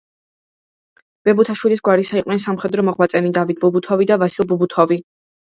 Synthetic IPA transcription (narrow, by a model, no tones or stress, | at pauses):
b̥ɛbut̪ʰaʃwilisɡwaɾisaiqʼwnɛnsamχɛd̪ɾɔmɔʁmat̪sʼɛnid̪avit̪̚ʰbubut̪ʰɔvid̪avasilˠbubut̪ʰɔvi